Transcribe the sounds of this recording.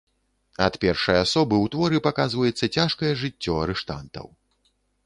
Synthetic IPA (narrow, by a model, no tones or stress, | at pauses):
ɐt̪pʲɛrʂɐjasɔbɨwt̪vɔɾɨpakazvɐjɛt̪sːɐt͡sʲaʂkɐjɛʐɨt͡sʲːɔɐɾɛʂt̪a̰nt̪ɐ̰w